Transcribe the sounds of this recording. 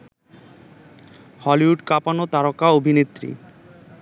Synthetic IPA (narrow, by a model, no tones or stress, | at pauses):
hɔliɦuɖkapanot̪aɾokaobʱinet̪ːɾḭ